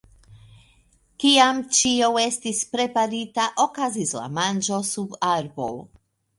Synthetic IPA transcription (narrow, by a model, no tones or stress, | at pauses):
kiamt͡ʃiawe̞stispɾe̞paɾitaʔo̞kazisla̰mand͡ʒo̞subaɾbo̰w